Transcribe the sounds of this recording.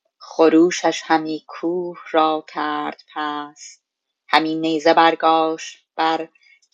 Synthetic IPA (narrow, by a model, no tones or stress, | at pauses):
χoɾuːʃæʃhæmiːkʰuːhɾɒːkʰæːɾd̪̥pʰæs | hæmiːneːzebæɾɡɒːʃt̪ | b̥æɾ